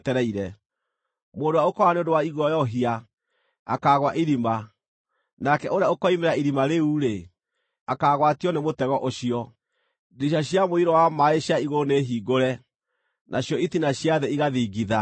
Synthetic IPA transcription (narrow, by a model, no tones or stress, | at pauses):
tɛɾɛiɾɛ | moːndowaokɔaneondowaiɣɔjɔɦia | akaɣwaʔiɾima | nakɛʔoɾeaokɔimeɾaiɾimaɾeuɾe | akaɣwatiɔnemotɛɣɔʔoɕiɔ | diɕ̬aɕjamoiɾɔwamaeɕaiɣoneɦiːɡoɾɛ | nʔaɕjɔitinaɕjaðɛiɣaðiːɡiða